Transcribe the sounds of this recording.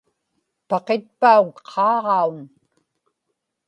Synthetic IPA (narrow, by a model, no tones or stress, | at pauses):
pɑqet̪̚paukqʰɑːʁɑun